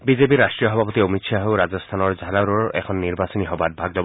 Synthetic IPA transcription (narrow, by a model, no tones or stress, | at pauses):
bizepiɹastɹijɔɦɔbʱapɔt̪iomitʃʰaɦowɹazɔst̪ʰanɔɹzʱalaɾɔɹɛ̰kʰɔnːiɹbasɔniɦɔbad̚bʱaɡdɔb